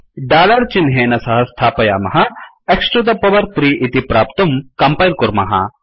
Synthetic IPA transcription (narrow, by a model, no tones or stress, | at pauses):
ɖaːlɐɾt͡ʃinɦeːnɐsɐɦɐst̪ʰaːpɐja̰ːmɐɦɐ | eksʈɾɐd̪ɐpɐʋɐɾt̪ɾiʔit̪ipɾaːpt̪umkɐmpajlkuɾmɐ̰ɦɐ̰